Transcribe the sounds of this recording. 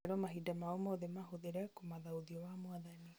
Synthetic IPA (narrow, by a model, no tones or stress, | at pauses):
ɾɔmaɦidamaomɔðemaɦoðeɾɛkomaðaoðiɔwamwaðani